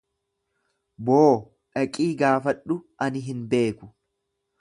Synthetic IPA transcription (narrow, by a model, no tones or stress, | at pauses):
boː | ʔɐkʼiːɡaːfɐᶑːʊ | ɐnɪɦɪnbe̞ːkʊ̥